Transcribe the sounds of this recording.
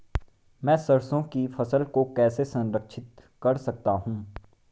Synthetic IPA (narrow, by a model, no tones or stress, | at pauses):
mɛ̃ːsɐɾsõkifɐsəlkokɛːsesɐ̃nɾəkʃɪt̪kɐɾsɐk̚t̪aɦũː